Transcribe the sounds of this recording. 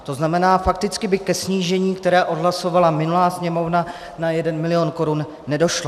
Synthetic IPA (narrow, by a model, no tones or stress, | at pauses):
t̪o̞znamɛnaːfak̚t̪ɪt͡skɪbɪkɛsɲiːʒɛɲiːkt̪ɛɾɛːʔo̞dɦlaso̞valamɪnulaːsɲɛmo̞vna | najɛdɛnmɪlɪjo̞nko̞ɾunː | ɛdo̞ʃla